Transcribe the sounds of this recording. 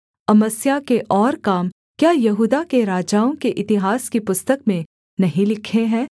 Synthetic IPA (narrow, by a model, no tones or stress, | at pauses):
ɐməsjakeʔɔːɾkaːm | kjaːjɐɦuːd̪akeɾaːd͡ʒaːõkeʔɪt̪ɪɦaːskipʊst̪əkmẽ | nɐɦĩlɪkʰeɦɛ̃ː